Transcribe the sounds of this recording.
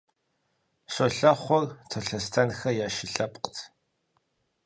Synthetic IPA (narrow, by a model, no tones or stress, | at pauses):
ɕʷɔɬɐχʷɔrtʰoɬɐstʰɐnxɐjaːʃɪɬɐpʼqtʰ